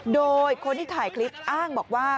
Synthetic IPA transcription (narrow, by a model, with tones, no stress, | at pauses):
doː˧jkʰo˧nt̪ʰiː˥t̪ʰaː˨˩˦jkʰli˦˥p̚ʔaː˥˩ŋbɔː˨˩k̚waː˥˩